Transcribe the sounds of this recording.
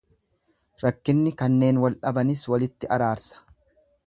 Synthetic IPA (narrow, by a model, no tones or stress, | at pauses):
ɾɐkːɪnːɪkɐnːe̞ːnwɐlʔɐbɐnɪswɐlɪt̪ːɪʔɐɾaːɾsɐ̥